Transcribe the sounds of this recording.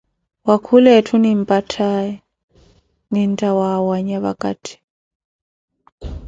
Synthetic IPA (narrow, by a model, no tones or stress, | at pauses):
wakʰulɛtʰunimpʼatʰajɛ | nintʼawawaɲaβakʼa̰tʰi̥